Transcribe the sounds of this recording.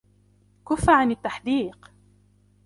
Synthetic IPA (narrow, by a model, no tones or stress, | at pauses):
kʊfːaʕanat̪ːaħd̪iːq